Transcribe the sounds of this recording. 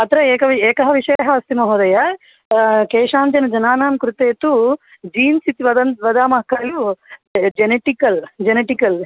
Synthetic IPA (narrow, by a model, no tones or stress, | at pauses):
ɐt̪ɾɐeːkɐʋieːkɐɦɐʋiʂɐjɐɦɐɐst̪imɐɦoːd̪ɐjɐ | keːʃaːnt͡ʃɐnɐd͡ʒɐnaːnaːmkɾut̪eːt̪u | d͡ʒiːnsit̪iʋɐd̪ɐnt̪ʋɐd̪aːmɐɦɐkːɐju | d͡ʒeneʈikɐld͡ʒeneʈikɐl